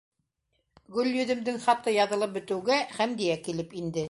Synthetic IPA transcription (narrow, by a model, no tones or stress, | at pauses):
ɡɵlʲjɵ̆ðɘ̆md̪ɘŋχɑt̪ɤjɑðɤ̆lˠɤp̚bɵ̆t̪ɘ̆wɡæχæmd̪ijækilɘpind̪ɘ